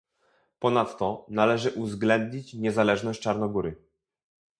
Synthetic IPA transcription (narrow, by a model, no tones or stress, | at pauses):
pɔnat̪ːɔnalɛʐɘʔuzɡlɛnd̪ɲit͡ɕɲɛzalɛʐnɔɕt͡ʂaɾnɔɡuɾɘ